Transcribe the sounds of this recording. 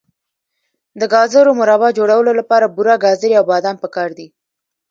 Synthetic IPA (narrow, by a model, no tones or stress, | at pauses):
d̪əɡɑzəɾomʊɾɑbɑd͡ʒoɽawəlolapɑɾabuɾɑɡɑzəɾiawbɑd̪ɑmpəkɑɾd̪i